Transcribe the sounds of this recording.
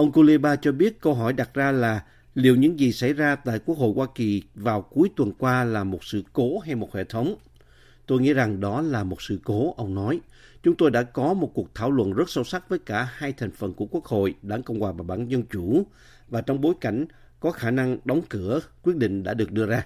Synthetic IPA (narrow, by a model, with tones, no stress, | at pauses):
ʔə˧wŋ͡mko˧li˧ɓaː˧t͡ɕɔ˧ɓi˦˥ət̚kə˧wɦɔ˧˩jɗa˨˩t̚zaː˧laː˨˩ | li˨˩əwɲɨ̰˧˥ŋzi˨˩sa˧˩jzaː˧t̪a̰ː˧˨jku˦˥ək̚ho̰˧˨jhwaː˧ki˨˩vaː˨˩wku˨˦əjt̪wə˨˩nkwaː˧laː˨˩mo˨˩t̚sɨ̰˧˨ko˨˦ɦa˧jmo˨˩t̚hḛ˧˨t̪ʰə˨˦wŋ͡m | t̪o˧jŋḭ˧˥za˨˩ŋɗɔ˨˦laː˨˩mo˨˩t̚sɨ̰˧˨ko˨˦ʔə˧wŋ͡mnɔ˨˦j | t͡ɕʊ˨˦ŋ͡mt̪o˧jɗa̰ː˧˥kɔ˨˦mo˨˩t̚ku˨˩ək̚t̪ʰaː˧˩wlwə̰˧˨nzə˦˥t̚sə˧wsa˦˥t̚vəː˨˦jkaː˧˩haː˧jt̪ʰɛ˨˩jŋ̟fə˨˩nku˧˩əku˦˥ək̚ho̰˧˨jɗaː˧˩ŋkə˧wŋ͡mkwaː˨˩vaː˨˩ɓa̰ː˧˥˨nzə˧nt͡ɕu˧˩ | vaː˨˩t͡ɕɔ˧wŋ͡mɓo˨˦jka˧˩jŋ̟ | kɔ˨˦xaː˧˩na˧ŋɗɔ˨˦wŋ͡mkɨ˧˩əkwi˦˥ət̚ɗḭ˧˨ŋ̟ɗa̰ː˧˥ɗɨ˨˩ək̚ɗɨ˧əzaː˧